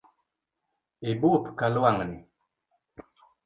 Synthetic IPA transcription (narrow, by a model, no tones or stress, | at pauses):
ebupkalwaŋni